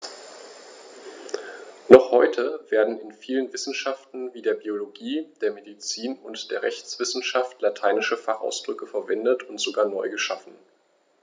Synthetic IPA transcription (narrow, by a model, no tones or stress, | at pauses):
nɔχhɔʏtʰəveːɐdn̩ɪnfiːlənvɪsn̩ʃaftn̩viːdeːɐbioloɡiːd̥eːɐmedit͡siːnʊntd̥eːɐʁɛçt͡sv̥ɪsn̩ʃaftlatʰaɪnɪʃəfaχʔa̰ʊsd̥ʁʏkəfɛɐvɛndətʊntz̥oɡaːɐnɔʏɡəʃafn̩